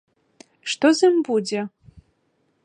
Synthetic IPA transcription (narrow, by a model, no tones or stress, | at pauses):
ʂt̪ɔzɐmbud͡zʲɛ